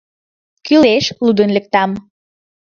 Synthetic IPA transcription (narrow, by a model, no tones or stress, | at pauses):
kyleʃlud̪ə̆nlɘ̆k̚t̪ɑm